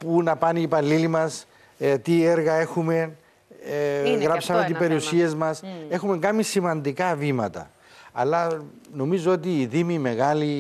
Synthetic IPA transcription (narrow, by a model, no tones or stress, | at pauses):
punɐpɐnipɐlːilimɐs | t̪ieɾɣɐe̞xume̞n | ɣɾɐpsɐmet̪ibe̞ɾiusie̞zmɐse̞xume̞ŋɡɐmisimɐnd̪ikɐvimɐ̰t̪ɐ̰ | ɐ̰lːɐno̞mizoo̞t̪̬iːðimime̞ɣɐli